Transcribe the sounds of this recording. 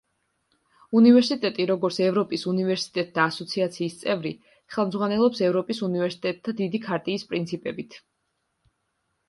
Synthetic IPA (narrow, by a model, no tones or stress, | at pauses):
univɛɾsit̪ʼɛt̪ʼiɾɔɡɔɾt̪sʰɛvɾɔpʼisunivɛɾsi̥t̪ʼɛt̪̚ʰʼd̪aːsɔt̪sʰiat̪sʰiːst̪sʼɛvɾi | χɛlˠmd̪zʁwanɛlˠɔpsɛvɾɔpʼisunivɛɾsi̥t̪ʼɛt̪̚ʰːad̪id̪ikʰaɾt̪ʼiːspʼɾint̪sʰipʼɛbit̪ʰ